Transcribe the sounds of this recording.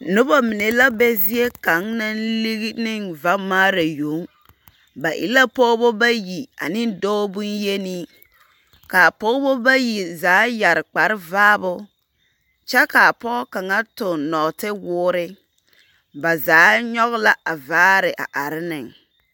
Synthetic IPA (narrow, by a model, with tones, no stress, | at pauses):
nʊ˦ba˦mɪ˨ne˨la˦bɛ˦zi˦e˦ka˨˦ŋna˦nli˦ɣi˦nɪ˦ŋva˦maː˦ɾa˨jo˨˦ŋ | ba˨ʔɪ̰˨la˦pɔː˦bo˦ba˦ji˨a̰˨nɪ˦n˦dɔː˦bu˦nje˦ni˦ | ka˨pɔː˦bo˦ba˦ji˨zaː˨˦ja˨ɾɪ˨k͡pa˨ɾɪ˦vaː˦bʊ˦ | t͡ʃɛ˦ka˨a˨pɔ˦ka˨ŋa˦tʊ˨nɔ˨tɪ˦wʊː˦ɾɪ˦ | ba˨zaː˨˦ɲɔ˦ɣʊ˦la˦ʔa˨vaː˦ɾɪ˨ʔa̰˨ʔa˨ɾɪ˦nɪ˨ŋ